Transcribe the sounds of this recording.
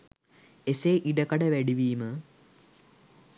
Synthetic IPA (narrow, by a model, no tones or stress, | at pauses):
eseʔiɖɐkɐɽɐʋeɽiʋiːmɨ